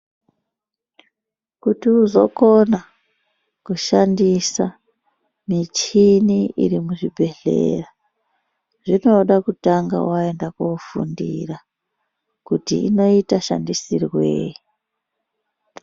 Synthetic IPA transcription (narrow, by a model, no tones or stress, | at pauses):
kutiuzo̞̰kona | kuʃandisa | mit͡ʃiniḭɾimuʐibʱe̞ɮe̞̰ra | ʐ̥ino̞ɗakutaŋɡa̰wae̞ndakofṵndira | kutḭḭno̞itaʃa̰ndisirweːji